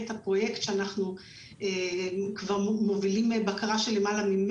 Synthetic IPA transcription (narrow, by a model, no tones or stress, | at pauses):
etapʁo̞je̞ktʃeanaχnu | ekvaʁmo̞vilimbakaʁaʃe̞lemalamim